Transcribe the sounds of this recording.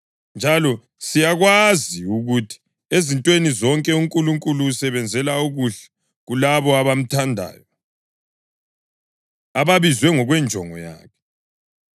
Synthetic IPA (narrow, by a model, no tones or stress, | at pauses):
nd͡ʒʱalɔ | sijaɣwaziuɣutʰi̥ | ezintʼwenizɔŋkʼɛuŋkʼuluŋkʼuluːsɛβɛnd͡zʱɛlauɣuɬɛ̥ | ɣulaβɔaβam̩tʰandʱa̰ːjɔ | aβaβizwɛŋɔɣwɛnd͡ʒʱɔŋɔ̰ja̰ːkʰɛ̥